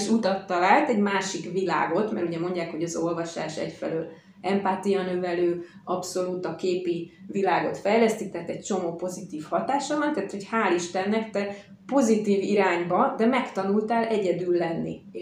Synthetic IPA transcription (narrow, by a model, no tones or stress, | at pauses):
ʃut̪ɒt̪ːɒlaːlt̪ɛɟmaːʃikvila̰ːɡo̞t̪mɛ̰ɾuɟɛmo̞ɲɟaːkho̞ɟɒzo̞lvɒʃa̰ːʃɛ̰cfɛ̰løːl | ɛmpaːt̪ijɒnøvɛløː | ɒpso̞luːt̪ɒkeːpivilaːɡo̞t̪fɛjlɛst̪ik̚t̪ɛːt̪ɛc̚t͡ʃo̞moːpo̞zit̪iːfhɒt̪aːʃɒmant̪ɛːt̪ho̞chaːliʃt̪ɛnːɛkt̪ɛ | po̞zit̪iːviɾaːɲbɒd̪ɛmɛkt̪ɒnult̪aːlʔɛɟɛd̪ylːɛnːḭ